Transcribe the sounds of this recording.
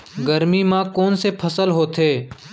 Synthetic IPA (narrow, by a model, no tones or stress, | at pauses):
ɡəɾmiːmãːkoːnsepʰəsəlɦoːt̪ʰeː